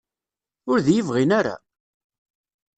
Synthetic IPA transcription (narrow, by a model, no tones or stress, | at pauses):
ʊɾðjəvʁinaɾa̰